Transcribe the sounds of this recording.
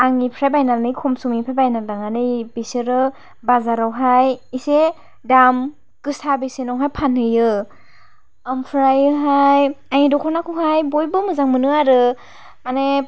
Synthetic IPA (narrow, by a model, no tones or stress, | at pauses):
aŋipʰɾajbajnalnɯjkʰɔmsumipʰajbajnaldaŋanɯjbisɯɾɯ | bazaɾawɦajise | dam | kɯsʰabesenɔwŋɦajpʰanɯjɯ | ampʰɾajɯɦajaŋidɔkʰɔnakʰɔŋhajbojbɯmɯzaŋmɯnɯaɾɯ | ane